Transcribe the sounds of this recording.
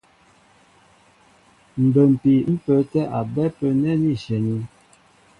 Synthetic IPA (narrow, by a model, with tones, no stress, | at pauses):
m̩˨bə˨m̩˨pi˨m̩˦pə˨˦tɛ˦ʔa˨bɛ˦pə˦nɛ˦ni˦˨ʃɛ˨ni˦